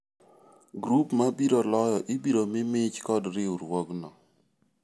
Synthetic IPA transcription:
ɡɾupmabiɾolɔjɔʔibiɾomɪmɪt͡ʃkɔdɾɪuɾwɔknɔ

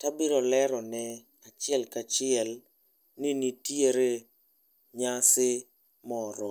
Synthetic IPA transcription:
tabɪɾɔlɛɾɔnɛ | at͡ʃɪɛlkat͡ʃɪɛl | nɪnitjeɾe | ɲasɪ | mɔɾɔ

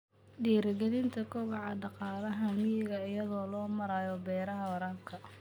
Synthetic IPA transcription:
ɖiːɾɐɡɐðɪnt̪ʰɐkʰʊβɑʕɑɖɑqɑːlɐɦɐmɪjɪɣɐɪjɐðɔːlɔːmɐɾajɔbɛːɾɐɦɐwɐɾaːlkʰɐ

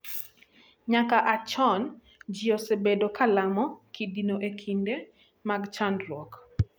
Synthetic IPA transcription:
ɲakaʔat͡ʃɔn | d͡ʒiɔsebedokalamɔkʰidinoʔekʰinde | maɡt͡ʃandlwɔk

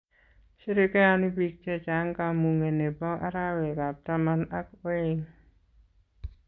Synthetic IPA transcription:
siɾikeanibik̚t͡ʃɛt͡ʃaŋkamuŋenebaʔa̰ɾawekap̚t̪amanak̚weŋ

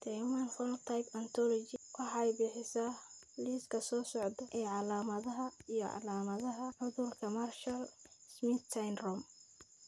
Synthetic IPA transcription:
t̪ʰɛjmɐnfɔlt̪ʰajpɐnt̪ʰɔlɔt͡ʃɪwʔɑħɑɛjbɪːħɪsaː | liːskʰɐsɔːsɔʕd̪ɔʔɛːʕɑlaːmɐðɐɦɐijɞʕɑ̰laːmɐðɐɦɐʕʊðʊlkʰɐmɐrʃɐlsmɪt̪sajnrɔm

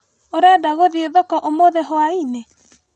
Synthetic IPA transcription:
oɾeadaɣoðieðɔkɔʔomoðɛɦoaine

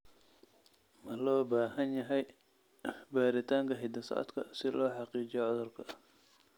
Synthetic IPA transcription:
mɐlɔːbaːɦɐnjɐɦɛj | baːɾɪt̪ʰaːŋkʰɐɦɪd̪ɐsɐ̰ːd̪kʰɐ̰sɪlɔːħɑqiːt͡ʃɪjɔʕɔðɔrkʰɐ

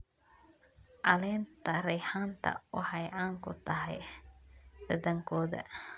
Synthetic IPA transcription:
ʔɑlɛːnt̪ʰɐɾɛjħaːnt̪ʰɐ̰ʊhɐjaːŋkʰʊt̪ʰɐɦɛ̰j | ɖ̥ɐðɐŋkʰɔːðɐ̰

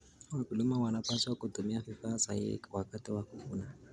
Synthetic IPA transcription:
wakulumawanapasiwakʼʊtumiafɪfasa̰jɪ̰wakʼatʼɪwakufuːna

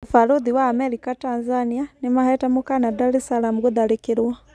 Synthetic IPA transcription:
ufaɾuðiwaːmɛɾikatanzanianimahɛtamukanadaɾisalamuɡuðaɾikiɾwa

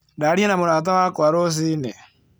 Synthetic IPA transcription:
daːɾienamuɾaːt̬awakwaɾos̬iːnɛ

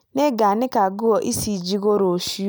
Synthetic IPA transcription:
neɡanɪkaɡʊɔʔisid͡ʒiɡoɾosi

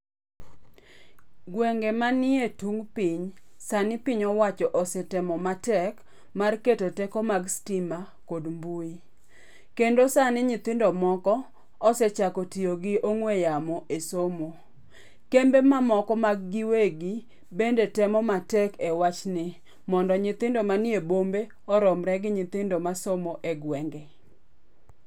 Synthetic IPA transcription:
ɡwɛŋɡemanɪetuŋpiɲsanɪpiɲɔwat͡ʃɔʔɔsɛtɛmɔmatɛk | marketotɛkɔmaɡstima | kodmbui | kendosanɪɲit̪ɪndɔmɔkɔ | ɔsɛt͡ʃakotioɡɪoŋwejamɔʔesomo | kembemamɔkɔmaɡːɪweɡi | bendetɛmɔmatɛkɛwat͡ʃnɪ | mɔndɔɲɪt̪ɪndomanjebombe | ɔɾɔmɾɛɡɪɲɪt̪ɪndomasomoʔeɡwɛŋɡɛ

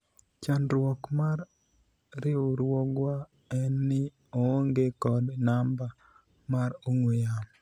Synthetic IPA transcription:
t͡ʃanɾwɔkmaɾ | ɾɪoɾwɔɡwa | ɛnːɪ | ooŋɡekɔdnamba | maɾoŋwejam

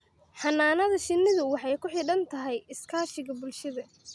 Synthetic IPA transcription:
ħɑnːaːnɐðɐʃɪnːɪðʊwɑħɑjkʰʊħɪɖɐnt̪ʰɐɦɛjɪskʰaːʃɪɣɐbʊlʃɐðɐ

